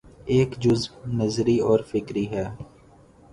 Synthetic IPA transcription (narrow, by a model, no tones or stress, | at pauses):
eːkd͡ʒʊzbnəzɾiɔːɾfɪkɾiɦɛː